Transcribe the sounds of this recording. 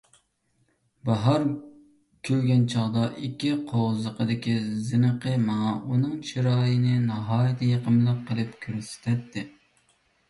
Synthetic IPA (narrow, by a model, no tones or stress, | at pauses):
bɑɦɑɾ | kʲʰølɡʲɛnt͡ʃʰɑʁd̪ɑʔikʲːiqʰoʁzəqʰəd̪ɪkʲizɨnəqəmɑɑunɨŋt͡ʃʰiɾɑːjɪnɪnɑɦɑːjɪt̪ʰɪjeqʰəmlˠəp̚qʰəlˠɨpkʲʰøɾsɪ̥t̪ʰɛt̪ːɪ